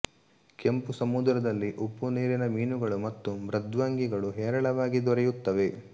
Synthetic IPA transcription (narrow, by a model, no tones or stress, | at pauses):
kempusɐmud̪ɾɐd̪ɐlːiʔupːuniːɾinɐmiːnuɡɐɭumɐt̪ːumɾɐd̪ʋaːŋɡiɡɐɭuɦɛːɾɐɭɐʋaːɡid̪ɔɾɛjut̪ːɐʋe̞